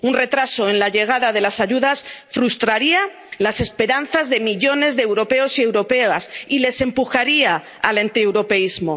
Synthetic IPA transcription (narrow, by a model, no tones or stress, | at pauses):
unre̞t̪ɾaso̞ẽ̞nlaʎe̞ɣ̞aðaðe̞lasaʝuðasfɾust̪ɾaɾia | lase̞spe̞ɾan̟θazðe̞miʎo̞ne̞zðeewɾo̞pe̞o̞sie̞wɾo̞pe̞asile̞se̞mpuxaɾia | alant̪iewɾo̞pe̞izmo̞